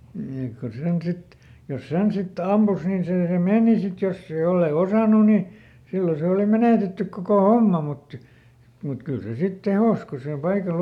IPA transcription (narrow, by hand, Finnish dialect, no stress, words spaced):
ni ek ku sen sit jos sen sit ɑmpus nin seː se meˑni sit josːe jolːei osɑˑnu ni silːo se oˑli meneˑtetːyk kokoˑ homːɑ mut mut kyl se sit tehoˑs ko sil pɑikɑl